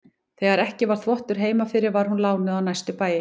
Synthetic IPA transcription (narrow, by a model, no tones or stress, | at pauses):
θeɣaɾɛhcɪvaɾ̥θvɔht̪ʏɾ̥ɦeːjmafɪɾɪɾvaɾ̥hunlaːwnɪðawnajst̪ʏpaːjɪ